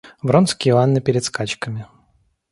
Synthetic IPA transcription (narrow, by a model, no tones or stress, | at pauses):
vɾonskʲɪanːɨpʲɪɾʲɪt̪skat͡ɕkəmʲɪ